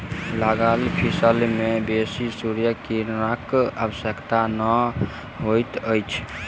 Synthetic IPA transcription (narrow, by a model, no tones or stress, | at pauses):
ləɡalipʰisəlmebesisuɾjəkinəkəbəsəkt̪anə | ɦojt̪əjt͡ʃʰ